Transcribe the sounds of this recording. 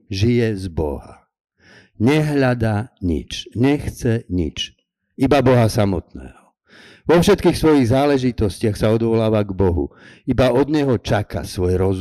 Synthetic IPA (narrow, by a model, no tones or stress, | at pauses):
ʒijɛzbɔ̰ɦa | ɲɛɦʎad̪aɲḭt͡ʃɲɛxt͡sɛɲḭt͡ʃ | ibabɔɦasamɔt̪nɛ̰ːɦɔ | ʋɔfʃɛt̪kiːxsʋɔjiɣzaːlɛʒit̪ɔscɪaxsaɔd̪ʋɔlaːʋaɡbɔɦṵ | ibaʔɔd̪ɲɛɦɔt͡ʃaka̰sʋɔjɾɔz